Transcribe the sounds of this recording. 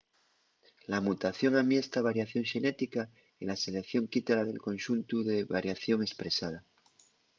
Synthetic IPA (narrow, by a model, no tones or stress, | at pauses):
lamut̪aθjo̞ŋamiest̪aβ̞aɾjaθjo̞ŋʃe̞ne̞t̪ika | ilase̞le̞kθjo̞ŋkit̪alað̞e̞lkõ̞nʃunt̪uðeβaɾjaθjo̞ŋe̞spɾe̞sað̞a